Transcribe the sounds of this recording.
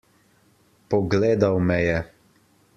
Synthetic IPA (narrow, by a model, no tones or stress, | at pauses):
pɔɡleːd̪awmɛjɛ